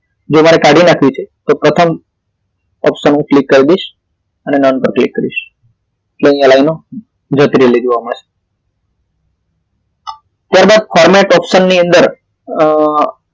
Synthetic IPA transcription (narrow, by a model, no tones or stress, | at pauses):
d͡ʒomaɾekaɽʱinakʰʋit͡ʃʰet̪opɾət̪ʰəm | ɔ̰pʃənũklikːəɾid̪eʃ | ənenɔnpəɾklikːəɾiʃ | eʈleĩəlaino | d͡ʒət̪ɾelid͡ʒoʋamãt͡ʃʰe̥ | t̪jaɾbad̪̚fɔɾmɛʈɔpʃənːiə̃nd̪əɾ